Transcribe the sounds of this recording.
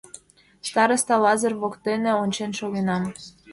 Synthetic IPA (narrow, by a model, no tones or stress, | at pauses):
st̪ɑɾəst̪ɑlɑzə̆rβokt̪enĕonʲt͡ɕenʃoɣenɑm